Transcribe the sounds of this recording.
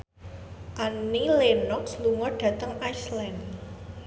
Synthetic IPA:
ʔanilenɔksluŋɔɖ̥ä̤t̪əŋajslan

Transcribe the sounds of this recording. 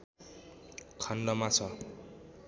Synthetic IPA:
kʰʌnlʌmat͡sʰʌ

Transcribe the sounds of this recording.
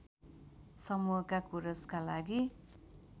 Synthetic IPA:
sʌmuɦʌkakuɾʌskalaɡi

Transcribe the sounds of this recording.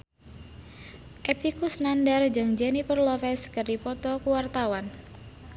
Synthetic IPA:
ʔepikusnandard͡ʒɨŋd͡ʒɛnipərlɔfɛskɨrdipɔt̪ɔkuwart̪awan

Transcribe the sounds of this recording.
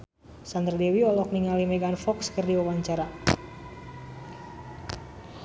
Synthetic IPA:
sand̪ərdewiɔlɔk̚niŋalimɛɡanfɔkskɨrdiwawaɲt͡ʃaɾa

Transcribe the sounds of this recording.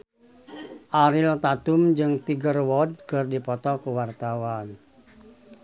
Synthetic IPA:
ʔaɾilt̪at̪umd͡ʒɨŋt̪iɡərwɔd̚kɨrdipɔt̪ɔkuwart̪awan

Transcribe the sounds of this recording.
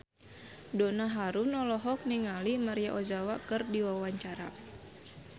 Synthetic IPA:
dɔnaɦaɾunɔlɔɦɔk̚niŋalimaɾijaʔɔd͡ʒawakɨrdiwawaɲt͡ʃaɾa̰

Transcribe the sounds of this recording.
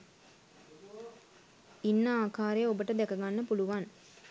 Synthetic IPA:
inːəaːkaːɾejobəʈəd̪ɛkɐɡanːəpuluʋan

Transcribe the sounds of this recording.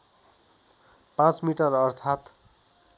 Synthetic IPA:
pãt͡smiʈʌrʌrt̪ʰat̪

